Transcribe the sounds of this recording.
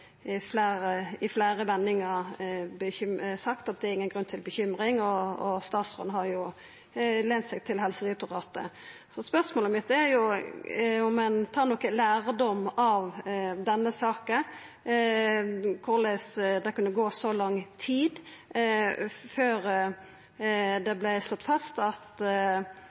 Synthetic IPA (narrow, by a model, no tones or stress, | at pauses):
flæːɾəɪflæːɾəʋɛnːɪŋəɾbəʏsɑkt̪ɑt̪̚d̪ɛæɾɪŋːənɡɾʉnt̪ʰɪlbəçʏmɾɪŋɔɔst̪ɑːt̪sʁɔ̰nɦɑɾjʊ | lɛnt̪sɛɡ̚t̪ʰɪlɦɛlsəɾɪt̪ʊʁɑːt̪ə̰ | sɔspœʁsmoːləmɪt̪ːæɾjʊ | ɔmːɛnt̪ʰɑːɾnɔkəlæːɾd̪ɔmːɑʋd̪ɛnːəsɑːkə | kʰʊʁlɛsd̪ɛkʉnːəɡoːsɔlɑŋːt̪ʰiːd̪ | føːɾ | d̪ɛblɛslɔt̪ːfɑst̪ɑt̪